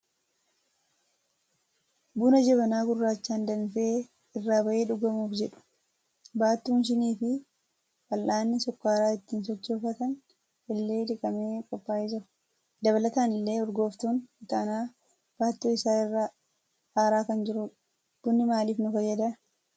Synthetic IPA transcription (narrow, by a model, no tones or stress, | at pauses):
buːnɐd͡ʒɛβɐnaːɡʊrːaːt͡ʃːaːnd̪ɐnfeː | ɪrːaːbɐʔe̞ːᶑʊɡɐmuːfd͡ʒɛᶑʊ̥ | baːt̪ːuːnʃ̬ɪniːfɪ | fɐlʔaːnːɪsɔkːaːɾaːɪt̪ːiːnsɔt͡ʃːoːfɐt̪ɐn | ʔɪlːe̞ːᶑɪkʼɐmeːkʼɔpːaːjɛd͡ʒɪɾʊ | d̪ɐβɐlɐt̪aːnɪlːe̞ːɔɾɡo̞ːft̪uːnɪt̪ɐnaː | b̥aːt̪ːuːɪsaːɪrːa | haːɾaːkɐnd͡ʒɪɾʊ | d̪̥ʊnːɪmaːliːfnʊfɐjːɐd̪ɐ